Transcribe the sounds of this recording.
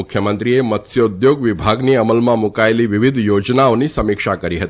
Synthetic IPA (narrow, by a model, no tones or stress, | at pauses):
ukʰjəmənt̪ɾiemət̪sjəud̪joɡʋibʱaɡniəməlmãmukaeliʋiʋid̪ʱjod͡ʒnaõnisəmikʂakəɾiɦət̪i